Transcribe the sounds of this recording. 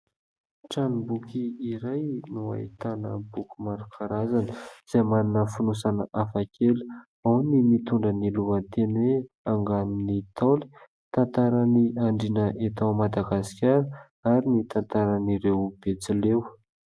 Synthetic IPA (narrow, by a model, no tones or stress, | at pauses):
ʈ͡ʂanbukʲiiɾajnua̰it̪anəbukʲumaɾukʰaɾazanəz̥ajmaninəfunusanəʔafakʰelu̥ | awnimit̪uɳɖ͡ʐəniluənt̪enwe | aŋɡaminit̪ʰoli̥ | t̪ant̪aɾaniaɳɖ͡ʐinəʔet̪awmad̪aɡasi̥kʲaɾə | aɾinit̪ant̪aɾaniɾewb̥et͡silew